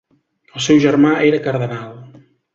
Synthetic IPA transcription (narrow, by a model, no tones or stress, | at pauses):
əlˠsɛwʒəɾmaʔeɾəkəɾðənalˠ